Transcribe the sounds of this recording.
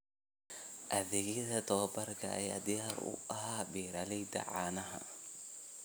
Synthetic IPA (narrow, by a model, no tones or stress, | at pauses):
ʔɐðɛɣɪðɐt̪ʰɔːbɐrkʰɐ̰ʔɐ̰ja̰ːd̪ɪjaːɾʊ̰ʔɐhaːbiːɾɐlɛjd̪ɐ̰ʕaːnɐɦɐ̰